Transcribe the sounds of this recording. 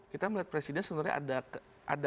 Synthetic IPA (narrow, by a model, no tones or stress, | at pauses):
kit̪amlat̪̚pɾesidɛnsəbənaɾɲa̰a̰da | ʔa̰da